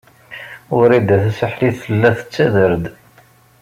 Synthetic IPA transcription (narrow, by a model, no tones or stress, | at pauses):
ʊɾid̪æθæsəħliθːəlːæθə̥t͡sːæðəɾd̪